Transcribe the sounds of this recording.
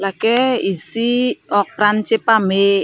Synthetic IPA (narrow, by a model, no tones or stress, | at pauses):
lakɛisiɔk̚pɾant͡ʃepame